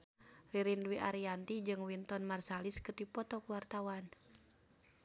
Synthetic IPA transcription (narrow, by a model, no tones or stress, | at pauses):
riɾindwiʔaɾiant̪id͡ʒɨŋwint̪ɔnmarsaliskɨrdipɔt̪ɔkuwart̪awan